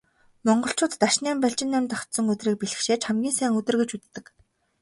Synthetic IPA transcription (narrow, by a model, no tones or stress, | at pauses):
mɔɴɢɞ̆ɬt͡ɕʊːt̪ːaʃniːmpæɮt͡ɕɪ̆nːæmt̪ɔxt̪sɞ̆ŋɵt̪riːk̚piɮɘ̆xʃeːt͡ɕχamɡʲiːnsæːŋɵt̪ɘ̆rɣɡĕt͡ɕut̪ːɘ̆k